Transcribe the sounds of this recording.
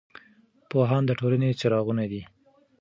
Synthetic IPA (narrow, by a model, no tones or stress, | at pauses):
poɦɑnd̪əʈolanet͡ʃaɾɑɣunad̪i